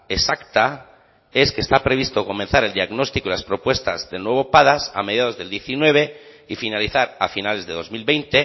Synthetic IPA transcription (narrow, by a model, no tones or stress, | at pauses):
e̞sakt̪a | e̞skest̪apɾe̞β̞ist̪o̞ko̞menθaɾe̞ld̪iaɣno̞st̪ikoilaspɾo̞pwe̞st̪azðe̞lnwe̞βo̞paðasa̰meðjað̞o̞zðeld̪je̞θinwe̞βe̞ | ifinaliθaɾa̰finale̞zðe̞ðo̞zmilβe̞jnt̪e̞